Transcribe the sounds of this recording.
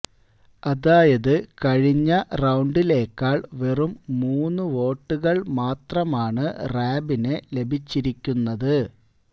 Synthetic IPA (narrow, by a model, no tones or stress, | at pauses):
ɐðaːjɐðɨkɐɻiɲːɐrɐwɳɖile̞ːkːaːɭʋe̞rumːuːnːɨʋo̞ːʈːuɣɐɭmaːt̪rɐmaːɳɨraːbinele̞bʱit͡ɕːiɾikʲːunːɐðɨ